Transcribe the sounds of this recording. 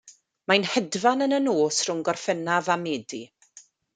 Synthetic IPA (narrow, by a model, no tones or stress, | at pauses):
majnhɛdvanənənoːsrʊŋɡɔrfənavameːdi